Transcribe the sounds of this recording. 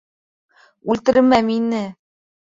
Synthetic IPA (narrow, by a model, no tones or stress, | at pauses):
ʉlt̪ɘ̆ɾɘmæminɘ